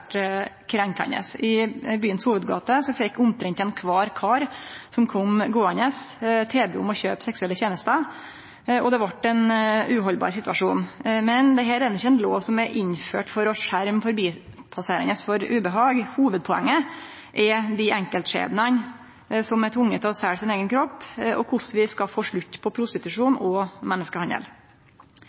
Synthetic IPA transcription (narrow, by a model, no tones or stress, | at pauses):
kʰɾɛŋkɑ̰nḛːsɪbyːənshuːʋəd̪ɡɑ̰ːt̪əsɔfɛkːʊmt̪ʰɾɪŋt̪ɛnkʰʋɑːɾkʰɑːɾsɔmkʰɔmɡoːɑnɛst̪ʰeːbɛʊ̰mɔçøːpsɛksʉɛlːəçeːnəst̪ə | ɔd̪ɛʋɑʈːɛnʉːɦɔlbɑ̰ːɾsɪt̪ʉʋɑʂuːnmɛnd̪ɛɦæːɾɛːd̪ɑnɪçəɛnloːʋsɔmɛʔɪnfø̰ːʈfɔɾɔʂæɾmfɔɾbiːpʰɑseːɾɪnəsfɔɾʉːbəɦɑːɡhuːʋəd̪̚pʰɔɛ̰ŋːə | ʔɛɾd̪ɪʔɛŋkəlt̪ʂḛːd̪nən | sɔmɛt̪ʰʋʊŋːət̪ʰlɔsæɹsɪneːɡənkʰɾɔpːɔ̰kʰʊʂʋɪskɑfoːʂɭʉt̪ːpʰɔpʰɾʊst̪ɪt̪ʉʂuːnɔmɛnːəskəhɑnə̰l